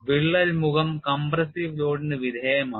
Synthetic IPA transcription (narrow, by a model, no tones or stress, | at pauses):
ʋiɭːɐlmuɣɐmkɐmbɾɐsiʋloːɽinɨʋid̪ʱeːjɐmaː